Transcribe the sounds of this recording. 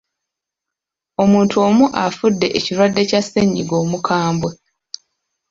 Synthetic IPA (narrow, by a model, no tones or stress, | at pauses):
o̞muːntʰo̞ːmuʔafudːe̞ʔeciɾwadːe̞casːeɲːiɡo̞ːmukʰaːmbwe